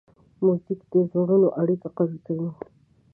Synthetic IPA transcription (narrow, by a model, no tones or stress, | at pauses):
muzɪkd̪əzoɾunoʔaɽikaqazukawi